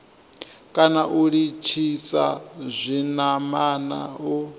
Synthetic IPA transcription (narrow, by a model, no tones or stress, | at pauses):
kʼanaʔuɺit͡ʃʰisazʷinamana̰u